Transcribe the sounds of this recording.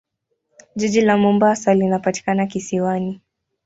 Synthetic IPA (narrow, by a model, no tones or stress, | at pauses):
ʄiʄilamumbasalinapati̥kanakisiwani